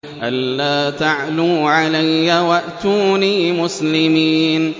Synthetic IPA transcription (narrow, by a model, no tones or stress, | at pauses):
ʔalːaːt̪aʕluːʕalajːawaʔt̪uːniːmʊslɪmiːn